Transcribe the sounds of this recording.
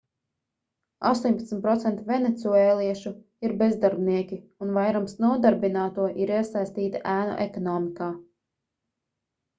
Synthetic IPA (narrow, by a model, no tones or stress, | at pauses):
a̰st̪uɔɲʲpat̪sm̩ʲt̪̚pɾɔt̪sɛnt̪uvʲenet̪suɛːlˠiɛʃu | iɾbezd̪aɾbniɛkʲiunvajɾamsnuɔd̪aɾbinaːt̪uɔʔiɾiɛsajst̪iːt̪aʔæːnɔ̰ʔekɔnɔːmikaː